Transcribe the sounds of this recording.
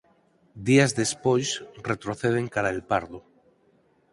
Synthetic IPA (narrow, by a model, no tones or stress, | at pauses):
d̪iazðe̞spojsre̞t̪ɾo̞θeð̞e̞ŋkaɾaelpaɾðo